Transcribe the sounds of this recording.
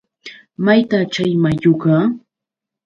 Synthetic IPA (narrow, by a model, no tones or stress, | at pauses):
majt̪at͡ʃajmajokaː